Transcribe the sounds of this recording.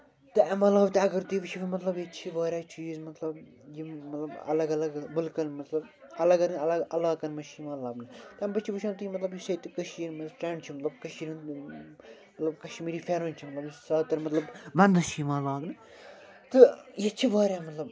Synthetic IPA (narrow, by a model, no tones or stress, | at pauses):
t̪ɨmɐt̪llɐːbt̪ɨɐɡɐɾt̪iːʋɨʃʰifɐmɐt̪lɐbjɐt͡ʃʰibaːɾʲaːt͡ʃiːzmɐt̪lɐb | jimɐt̪lɐbɐ̰lɐɡɐlɐɡbʊlkɐnmɐt̪lɐbɐlɐɡɐɾnɐlɐɡɐlaːkɐnmɐʃiːmɐlaːbnɨt̪ɐmbɐt͡ʃʰiʋɨʃʰãːnt̪ɨjimɐt̪lɐbjisɐt̪ikɐʃiːɾmɐsʈeːɳɖt͡ʃʰimɐt̪lɐbkɐʃiːɾun | mɐt̪lɐbkɐʃmiːɾiːfʰeɾont͡ʃʰimɐt̪lɐbjisɐːt̪ɐɾmɐt̪lɐbʋɐ̃nd̪ɐʃiːmɐːlaːɡnɨ | t̪ɨjet͡ʃʰiʋaːɾʲaːmɐt̪lɐb